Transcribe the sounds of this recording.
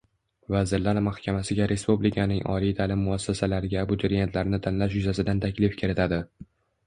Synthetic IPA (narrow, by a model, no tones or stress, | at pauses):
vazɪɾlaɾmahkʲʰamasɪɡʲaɾʔe̞spublɪkʰanɪŋʔɒ̰lijt̪ʰalɪmːʊasːasalaɾɪɡʲabʊt̪ʰoɾjet̪ʰlaɾɪnɪt̪ʰanlaʃjʊzasɪd̪ant̪ʰakʲlɪfkʲʰɪɾɪt̪ʰad̪ɪ